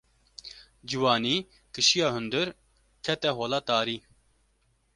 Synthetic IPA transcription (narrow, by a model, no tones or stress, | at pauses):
d͡ʒiwaːniː | kɨʃijɑːɦʊnd̪ɨɾ | kʰɛt̪ɛɦoːlaːt̪aːɾiː